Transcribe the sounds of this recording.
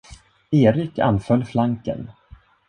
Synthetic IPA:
eːɾɪkʰa̰nfœlːflaŋkə̰n

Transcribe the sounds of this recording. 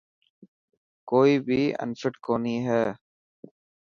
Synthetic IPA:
koːiːbiːə̰̃nsɪʈkoːniːɦɛː

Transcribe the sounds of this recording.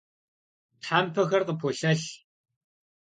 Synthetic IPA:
tħaːmpʰɐxɐrqəpʰoːɬɐɬ

